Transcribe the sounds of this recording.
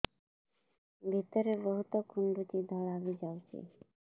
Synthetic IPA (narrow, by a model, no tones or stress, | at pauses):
bʱit̪ɔɾeɾboɦut̪okuɳɖutid̪ʱɔlabid͡ʑawt͡ɕʰḭ